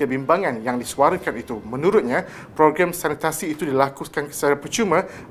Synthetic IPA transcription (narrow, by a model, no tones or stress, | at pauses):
əbimbaŋãnjaŋdisuaɾəkanit̪umə̃nũɾʊt̪̚ɲã | pɾoɡɾamsanit̪asiːt̪udilakukankə̥səɾapərt͡ʃumã